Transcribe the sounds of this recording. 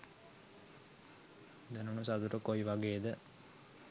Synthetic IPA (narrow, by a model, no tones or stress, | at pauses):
d̪ɛnunusat̪uɾəkoiʋaɡeːd̪ə